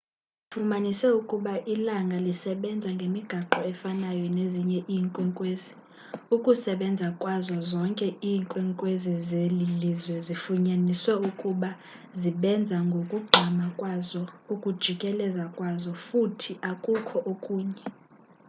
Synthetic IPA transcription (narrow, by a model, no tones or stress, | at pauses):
fumanisɛukʼuɓaʔilaŋɡʱalisɛɓɛnd͡zʱaŋɡʱemiɡ̥ʱaǃɔɛfanajɔneziɲɛʔiːŋkʼwɛŋkʼweːzi | ukʼusɛɓɛnd͡zʱakʼwazɔzɔŋkʼɛiːŋkʼwɛŋkʼwezizelilizwɛzifuɲaniswɛukʼuɓa | ziɓɛnd͡zʱaŋɡʱokʼuɡ͡ǃʱamakʼwazɔukʼud̥ʒ̥ʱikʼɛlɛzakʼwazɔfutʰiʔakʼukʰɔʔokʼuːɲɛ